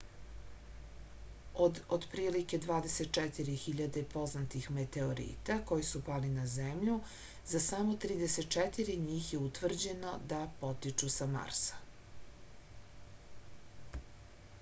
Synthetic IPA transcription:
od̪od̪pɾiːlike̞d̪ʋaːd̪eset̪̚t͡ʃɛt̪iɾixiʎad̪e̞po̞znat̪ixmet̪e̞oɾḭːt̪ako̞jisupalinazemʎu | zasamo̞t̪ɾiːd̪eset̪̚t͡ʃɛt̪iɾiɲiːxjeut̪ʋr̩d͡ʑe̞no̞d̪apo̞t̪it͡ʃusama̰ɾsḁ

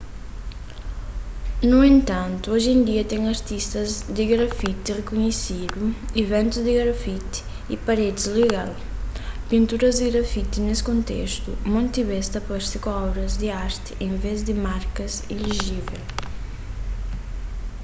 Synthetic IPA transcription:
nuẽnt̪ãnt̪uoʒẽnd̪iɐt̪ɛ̃ŋɐɾt̪ist̪ɐzd̪ɪɡɾɐfit̪ɪrekuɲesid̪uivɛ̃nt̪uzd̪ɪɡɾafit̪ɪ̥ | ipaɾed̪ɪzleɣal | pĩnt̪uɾɐzd̪ɪɣɾɐfit̪ɪnesɪ̥kõnt̪ḛst̪ṵmõnt̪iβɛst̪ɐpɔɾsikɔɾɐzd̪ɪaɾt̪ɪ̥ʔẽŋvezd̪ɪmaɾkɐziliʒivel

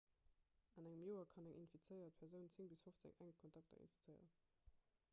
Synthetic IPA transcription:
ɑnæŋəmjoːɐkʰɑnæŋʔḭnfit͡səɪɐt̚pʰɛʁzəʊnt͡seŋbisfoft͡sɪ̰ŋæŋkʰontʰɑk̚tʰɐ̰ḭnfi̥t͡səɪə̰ʁən

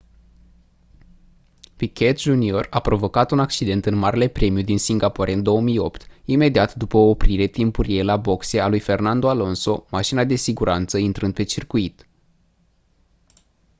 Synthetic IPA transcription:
pikʲʰet̪ʒunio̞rapɾo̞vo̞kat̪unak̚t͡ʃid̪e̞nt̪ɨnmaɾele̞pɾe̞mijud̪insiŋɡapoɾeɨnd̪o̞wəmijo̞pt̪ime̞d̪iat̪d̪upəoːpɾiɾe̞t̪impuɾijejlabo̞kse̞alujfe̞rnand̪oalo̞nso̞maʃinad̪e̞siɡuɾʔant̪səint̪ɾɨnd̪pe̞t͡ʃirkuit̪

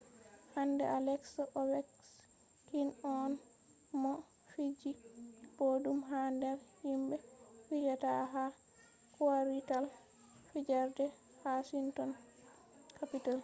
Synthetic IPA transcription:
handɛ̰alɛksɔwɛks | kinɔn | mɔ | fid͡ʒibodumɦandɛɾhimbɛfid͡ʒataɦa | kuwaɾital | fid͡ʒaɾdɛ | hasintɔn | kapital

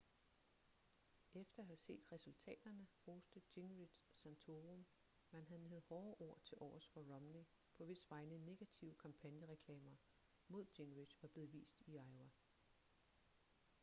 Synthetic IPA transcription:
efd̥ɐhæse̝̰ːd̥ʁɛsult͡sʰɛ̰ːd̥ɐnəʁoːsd̥əd̥eŋʁid̥sːænt͡sʰo̝ːʁom | mænɦæð̩ˠneð̩ˠhɒːʔo̝ɐ̰t͡sʰe̝lʔɒ̰ːsfɒʁɒ̽mne | pʰɒ̽ʋe̝sʋɑ̈ɪnəne̝ɡ̥æt͡sʰiʊəkʰɑ̈mpʰænjəʁɛkʰlɛːmɐ | mo̝ð̞̰ˠd̥e̝ŋʁi̥ʋɑ̈b̥le̝ːð̩ˠʋḭːsd̥iɑ̈ɪʊæ

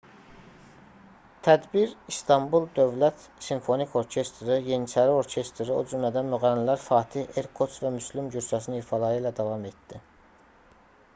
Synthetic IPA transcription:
t̪ʰæd̪biɾist̪ʰɑmbulˠd̪ø̞vlæt̪ | siɱfo̞nikʰo̞ɾcʰe̞st̪ɾɯjenit͡ʃʰæɾio̞ɾcʰe̞st̪ɾio̰d͡ʒymlæd̪ænmyɣælnilæɾfɑːt̪ʰiheɾkʰo̞t͡ʃ̪væmyslimɟyɾsæs̬ininifɑlˠɑɾɯlæd̪ɑvɑme̞t̪d̪̥i

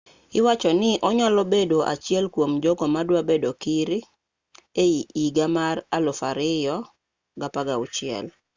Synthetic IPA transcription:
ɪwat͡ʃɔnɪʔɔɲɔlɔbedoʔa̰t͡ʃjɛlkwomd͡ʒɔɡɔmadwabedokiɾɪ | eiiɡamaralɔfaɾɪjɔ | ɡapaɡaʊt͡ʃɪɛ̰l

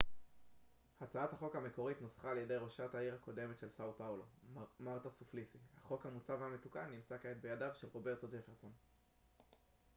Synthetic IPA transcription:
hat͡saathaχo̞khame̞ko̞ʁitnosχaːljede̞jʁo̞ʃataiʁhako̞de̞met̪ʃelsawpawlo̞maʁtasuflisihaχo̞khamut͡savame̞tukanːimt͡sakaetbe̞jadavʃelʁo̞be̞ʁtod͡ʒefeʁso̞n

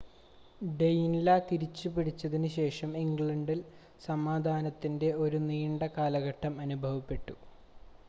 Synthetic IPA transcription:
ɖejnlɐt̪iɾit͡ɕːupiɽit͡ɕːɐðinɨɕe̞ːʂɐmiŋɡɭɐɳɖil | sɐmaːd̪ʱaːnɐt̪ːinde̞o̞ɾuniːɳɖɐkaːlɐɣɐʈːɐmɐnubʱɐʋɐpːe̞ʈːu

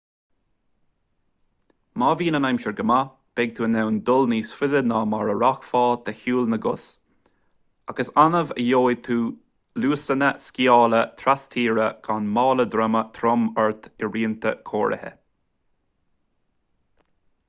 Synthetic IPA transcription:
maːviːnənajmʃəɹɡəma | b̥ɛɡ̚t̪ʰuːənɛwnd̪ʊlniːsfɪðənaːmaɹəɹaxfɑːt̪ʰəhuːlnəɡʊs | aɡəsanəvəjoːjt̪ʰuː | luːsənəskiɑːlət̪ʰɾast̪ʰiːɹəɡ̥ʰanmɑːləd̪ɾɛmət̪ʰɾɔmɛɹt̪ʰɪɹiːənt̪ʰə̰kʰoːɹʔə̰hə̰

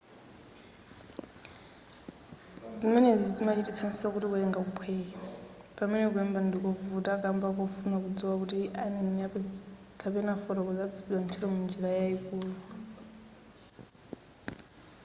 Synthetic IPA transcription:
d͡zimɛnɛd͡zid͡zimat͡ʃʰitit͡sʰanisak̬utikuɛŋɡakupʰwɛːka | pamɛnɛk̬uɛmbandikɔvutʼakambakɔfunak̬ud͡ziwak̬utiʔaninia | kʰapɛnafɔɾɔkud͡zapʰid͡zwant͡ʃʰiɾɔmund͡ʒiɺajaikuːla

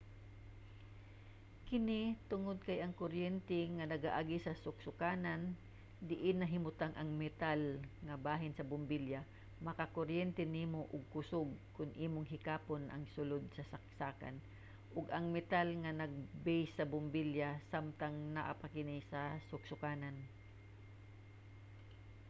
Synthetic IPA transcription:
kɪnɪt̪ʊŋod̪̚kɐjɐŋkʊɾjɛnt̪ɛŋanɐɡaʔaɡɪsɐsʊksʊkaːnan | d̪ɪʔɪnːɐɦɪmʊt̪aŋʔɐŋmɛt̪alŋɐbaːɦɪnsɐbʊmbilja | mɐkakoɾjɛnt̪ɛniːmoʔʊɡ̚kʊsʊɡ̚kʊnʔiːmʊŋɦɪkaːponʔɐ̰ŋsʊlod̪̚sɐsɐk̚saːka̰n | ʔʊɡɐŋmɛt̪alŋɐnɐɡ̚bɛjsːɐbʊmbiljasamt̪aŋnaʔapakɪnɪsɐsʊɡsʊkaːnan

